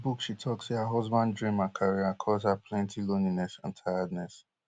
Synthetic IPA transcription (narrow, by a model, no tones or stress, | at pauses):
bukʃitʰɔkseaɦɔzbãndɹĩmakʰaɹiakʰɔzapʰlɛ̃ntʰiloninɛsã̰ntʰajadnɛs